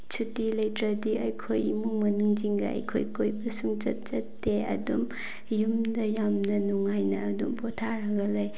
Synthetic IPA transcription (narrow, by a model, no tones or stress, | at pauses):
t͡ʃʰutilɐjtɾɐdiɐjkʰojmuŋmɐnuŋd͡ʒiŋɡɐ̰ɐ̰jkʰo̰jkʰojbɐsuŋd͡ʒɐ̰t̚zɐtːeɐ̰dṵm | jumdɐjamnɐnuŋajnɐːdumpotʰaɾɐɡɐlɐj